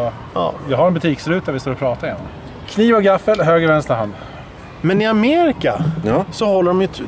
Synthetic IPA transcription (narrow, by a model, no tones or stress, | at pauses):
jɑɡɦhaɾɛnbɵt̪ʰiːkslʉ̟ːt̪d̪æɾvɪst̪oːɾɔpʰɾɑːt̪ajɛnːɔ̰m | kʰniːvɔɡafːəlɦøːɡɾəvɛnst̪əɾɦand̪ | mɛnɪameːɾɪkasɔhɔlːəɾɔmjɵ